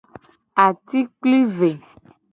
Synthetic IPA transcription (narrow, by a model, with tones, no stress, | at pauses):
a˨t̪i˦k͡pli˦ve˨